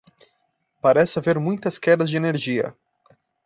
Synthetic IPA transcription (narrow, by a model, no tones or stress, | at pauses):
paɾɛsɐveɾmũj̃t̪ɐskɛd̪ɐzd͡ʒɪeneɾʒiɐ̰